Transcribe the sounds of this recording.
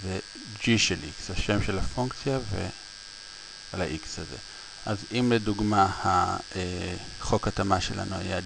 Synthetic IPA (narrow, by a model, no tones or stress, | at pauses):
ze | d͡ʒiʃelʔikshaʃe̞mʃelafuŋkt͡sjave̞̰ | alaʔikshaze̞̰ | ʔazimleduɡmahae | χo̞katamaʃelʔa̰nuaja